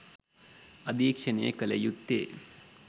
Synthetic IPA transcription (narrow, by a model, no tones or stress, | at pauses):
ɐd̪iːkʂɐnejɐ̰kɐlɐ̰jut̪ːḛː